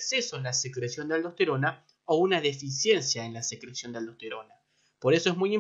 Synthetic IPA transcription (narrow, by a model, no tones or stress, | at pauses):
ksesoẽnlasekɾesjo̞nd̪eald̪ot̪eɾona | ounaðe̞fisje̞nsjaenlasekɾesjo̞nd̪eald̪oht̪eɾo̞na | po̞ɾeso̞ezmujim